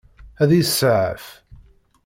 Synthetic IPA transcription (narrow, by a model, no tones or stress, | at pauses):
æðisəʕəf